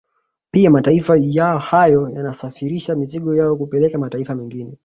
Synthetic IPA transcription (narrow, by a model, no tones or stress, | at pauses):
piamataifajahajɔjanasafiɾiʃamiziɠɔjaɔkupɛlɛkamataifamɛŋɡinɛ